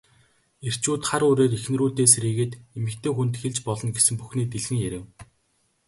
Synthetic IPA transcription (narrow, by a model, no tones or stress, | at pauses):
er̥t͡ɕuːt̪χaɾʊːɾeːɾixnruːt̪eːseɾiːɣĕːt̪emɘ̆kt̪ʰeːxunt̪xeɮt͡ɕpɔɮɞ̆nɡesɘ̆mpuxniːt̪iɮxɘ̆ŋjæɾʲɘ̆w